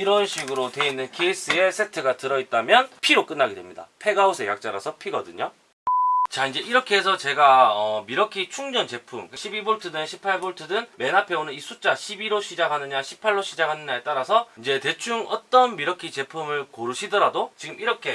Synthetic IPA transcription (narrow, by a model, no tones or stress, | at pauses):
iɾʌnɕʰiɡɯɾote̞inːɯnkʰeis͈ɯe̞sʰe̞tʰɯɡatɯɾʌit̚t͈amjʌnpʰiɾok͈ɯnːaɡedwe̞mɲida̰pʰe̞ɡausʰe̞ja̰k̚t͡ɕ͈aɾa̰sʰʌpʰiɡʌdɯɲo | t͡ɕaind͡ʑe̞ʔiɾʌkʰe̞esʰʌt͡ɕe̞ɡaʌmiɾʌkʰit͡ɕʰuŋd͡ʑʌnt͡ɕe̞pʰumkaɕʰibiboɭtʰɯdɯnɕʰipʰaɭboɭtʰɯdɯnme̞napʰe̞onɯnisʰut͡ɕ͈aɕʰibiɾoɕʰid͡ʑakʰanɯɲaɕʰi̥pʰaɭːoɕʰid͡ʑakʰanɯɲaet͈aɾasʰʌind͡ʑe̞te̞t͡ɕʰuŋʌ̰t͈ʌnmiɾʌkʰit͡ɕe̞pʰumɯɭkoɾɯɕʰidʌɾadot͡ɕiɡɯmiɾʌkʰe̞